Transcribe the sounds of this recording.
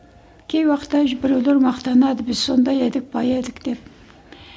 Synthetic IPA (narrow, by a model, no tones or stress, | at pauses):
kʲʰejwɑqət̪ːɑʒbɪɾewleɾmɑqt̪ɑnɑd̪əbɪzso̞nd̪ɑjed̪ɪk̚b̥ɑjed̪ɪkd̪̥e̞p̚